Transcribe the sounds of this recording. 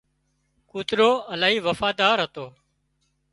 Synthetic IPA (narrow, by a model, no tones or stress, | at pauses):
kuːt̪ɾoːəlaːɦiːʋəfaːd̪aːɾɦət̪oː